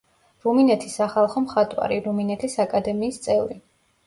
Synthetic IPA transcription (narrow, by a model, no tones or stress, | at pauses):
ɾuminɛt̪ʰisaχalˠχɔmχat̪ʼwa̰ɾiɾuminɛt̪ʰisakʼad̪ɛmiːst̪sʼɛvɾi